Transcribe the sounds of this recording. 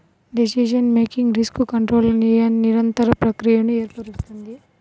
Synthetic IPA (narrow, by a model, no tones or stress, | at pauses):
ɖisid͡ʒɐnmeːkiŋɡɾiskukɐɳʈɾoːlɐnijɐnːiɾɐnt̪ɐɾɐpɾɐkɾijɐnueːɾpɐɾist̪und̪i